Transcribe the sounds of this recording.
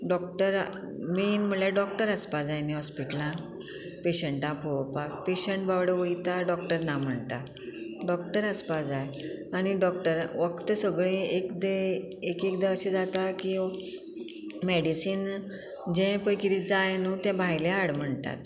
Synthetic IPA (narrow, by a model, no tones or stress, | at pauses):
ɖɔk̚ʈəɾ | minm̤əlaɖɔk̚ʈəɾəspad͡zajniɦɔspiʈəlã | peɕəɳʈãpʰowpapeɕəɳʈ̚baʋɽəʋəjt̪aɖɔk̚ʈəɾnam̤əɳt̪a | ɖɔkʈəɾəspad͡zajañiɖɔk̚ʈəɾʋəkt̪əsəɡɭẽekd̪e | ekekd̪aəɕed͡zat̪aki | mɛɽisiːn | d͡ʑɛ̃pəjkid̪id͡zajnut̪jɛ̃bʱajlẽaɽm̤əɳt̪a̰t̪̚